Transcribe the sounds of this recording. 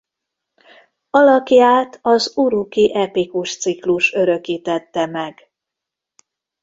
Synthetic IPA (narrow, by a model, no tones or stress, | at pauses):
ɒlɒkjaːt̪ʰɒzuɾukiʔɛpikuʃt̪sikluʃøɾø̞kiːt̪ɛt̪ːɛmɛɡ̥